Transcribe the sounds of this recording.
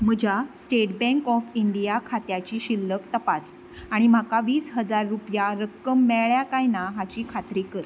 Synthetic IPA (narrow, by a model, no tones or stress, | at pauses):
m̤əd͡ʑʱasʈeʈbɛ̃ŋkɔfiɳɖijakʰat̪jat͡ɕiːɕilːəkt̪əpas | aɽ̃im̤akaʋiːsɦəd͡zaɾːupjaɾəkːəmːɛɭɭjakajnaɦat͡ɕiːkʰat̪ɾikəɾ